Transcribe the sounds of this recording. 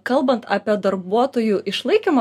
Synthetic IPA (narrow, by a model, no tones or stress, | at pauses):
kɐlˠbɐnt̪ɑːpʲiɛd̪ɐɾbuɔt̪oːjuʔɪʃlˠɐɪkʲimɐ